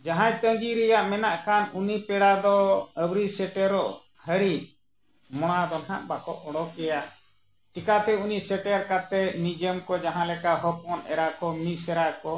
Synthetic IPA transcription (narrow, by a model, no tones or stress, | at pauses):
d͡ʒaɦãjt̪əŋɡiɾɛjaʔmɛnaʔkanunipɛɽad̪ɔəwɾisɛʈɛɾɔʔ | həɾi | mɔɽ̃ad̪ɔnɦã̰ʔbakɔʔɔɽɔkɛja | t͡ʃikat̪ɛunisɛʈɛɾkat̪ɛnid͡ʒəmkɔd͡ʒaɦãlɛkaɦɔp̚ɔnɛ̰ɾakɔmisɛɾakɔ